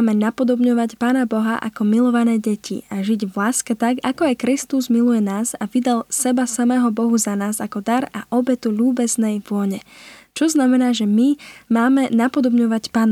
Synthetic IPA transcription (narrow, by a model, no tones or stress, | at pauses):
mɛnapɔd̪ɔbɲɔʋacpaːnabɔɦaʔa̰kɔmilɔʋanɛːɟɛcʰḭaʒiɟʋlaːskɛt̪akakɔajkɾist̪uzmilujɛnaːzaʋid̪alsɛbasamɛːɦɔbɔɦuzanaːzakɔd̪aɾaʔɔbɛt̪uʎuːbɛznɛjʋʊɔɲɛt͡ʃɔznamɛnaːʒɛmimaːmɛnapɔd̪ɔbɲɔʋacpaːn